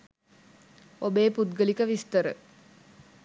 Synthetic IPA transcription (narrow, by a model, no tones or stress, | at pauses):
obeːpud̪ɡəlikəʋist̪əɾə̰